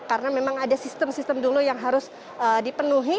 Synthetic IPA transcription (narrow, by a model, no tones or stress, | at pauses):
kaɾənamemaŋadasist̪əmsist̪əmdulujaŋɦaɾʊs | ədipənuɦi